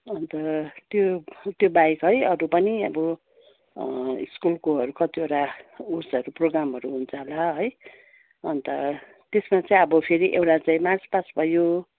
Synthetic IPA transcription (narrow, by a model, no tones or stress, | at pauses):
ʌnt̪ʌt̪jot̪jobajkɦʌjʌɾupʌniʌbʌ | ḭskulkoɦʌɾukʌt̪iewʈaursʌɾuproɡɾamɦʌɾuɦunt͡sʰʌɦlaɦʌj | ʌnt̪ʌ | t̪esmat͡saĩʌbʌpʰeɾiʔewʈat͡saĩmart͡spasbʱʌjo